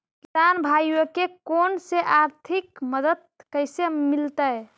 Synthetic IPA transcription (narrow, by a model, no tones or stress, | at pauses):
kisanbʱajwəkekonseʔaɾt̪ʰikməd̪əd̪̚kəjsemilt̪əj